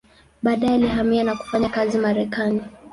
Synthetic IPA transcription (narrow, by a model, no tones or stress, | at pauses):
ɓaːɗajɛalihamianaku̥faɲakazimaɾɛkani